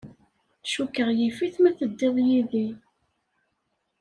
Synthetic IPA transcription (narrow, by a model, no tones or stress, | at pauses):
ʃukːəʁjifiθmæθəd̪ːɪðˤjiði